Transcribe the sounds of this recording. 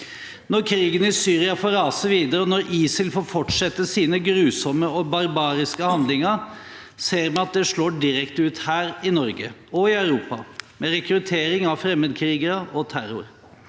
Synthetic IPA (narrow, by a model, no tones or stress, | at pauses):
nɔɾkʰɾiːɡənɪsyːɾɪɑfoːɾɑːsəʋiːd̪əɾəɔnɔɾiːsəlfoːɾfɔʈʂɛt̪ːəsiːnəɡɾʉːsɔmːəɔbɑɾbɑːɾɪskəhɑnd̪lɪŋəɾ | seːɾmɛɑt̪̚d̪ɛʂɭoːɖɪɾɛkt̪ʉːt̪hæːɾɪnɔɾɡəɔɪœʉɾuːpɑmɛɾɛkɾʉt̪ʰeːɾɪŋɑʋfɾɛmːəd̪kʰɾiːɡəɾəʔɔt̪ʰæɾʊ̰ɾ